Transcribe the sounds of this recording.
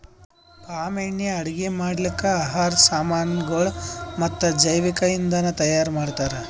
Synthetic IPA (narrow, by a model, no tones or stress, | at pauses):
kaːmeɳːjɐɐɽiɡemaːɽlikːɐaːɦaːɾsaːmaːnɡɐɭmɐt̪ːɐd͡ʒɐjʋikɐjind̪ɐnut̪ɐjaːɾmaːɽt̪aːɾe